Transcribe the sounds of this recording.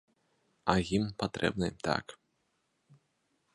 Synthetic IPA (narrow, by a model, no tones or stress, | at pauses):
ɐjimpat̪ɾɛ̰bnɨt̪a̰k